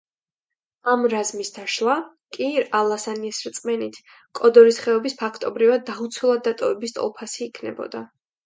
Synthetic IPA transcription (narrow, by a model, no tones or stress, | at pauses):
amɾazmisd̪aʃlˠa | kʼiɾalˠasaniɛsɾt̪sʼmɛnit̪ʰ | kʼɔd̪ɔɾisχɛɔbispʰakʰt̪ʼɔbɾivad̪̚ːaut̪sʰwulˠad̪̚ːat̪ʼɔvɛbist̪ʼɔ̰lˠpʰasiːkʰnɛ̰bɔ̰d̪a